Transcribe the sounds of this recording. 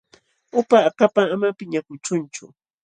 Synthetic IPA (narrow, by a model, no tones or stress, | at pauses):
ʊpaːkapaŋamapɪɲakʊt͡ʃʊnt͡ʃʊ̰